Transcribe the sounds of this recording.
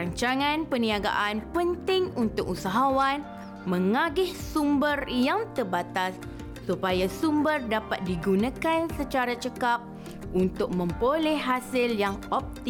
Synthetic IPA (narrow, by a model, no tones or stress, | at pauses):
ɾaɲt͡ʃaŋãnpənĩaɡa̰ʔanpənt̪ɪŋunt̪ʊk̚usaɦawan | mə̃ŋaɡɪhsumbərjaŋt̪ərbat̪asː | upajasumbərdapat̪̚diɡunãkansət͡ʃaɾat͡ʃəkap̚ | ʔunt̪ʊk̚mə̃mpolɛhɦasɪljaŋɔp̚t̪i